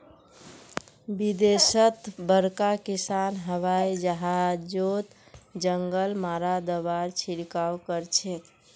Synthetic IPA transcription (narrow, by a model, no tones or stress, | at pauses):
bid̪esət̪bəɽkakisanɦəʋajd͡ʒəɦad͡ʒot̪d͡ʒəŋɡəlmaɾad̪əbaɾt͡ʃʰiɽkawkəɾt͡ʃʰe